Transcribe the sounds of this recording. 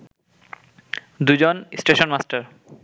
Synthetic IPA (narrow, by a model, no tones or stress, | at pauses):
d̪ujd͡ʑonsʈeʃonmasʈaɾ